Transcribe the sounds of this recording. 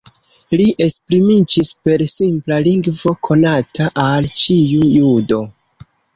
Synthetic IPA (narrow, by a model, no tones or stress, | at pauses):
liʔe̞spɾimid͡ʒispe̞ɾsimplaliŋɡvo̞kʰo̞natʰaʔalt͡ʃijujudo̞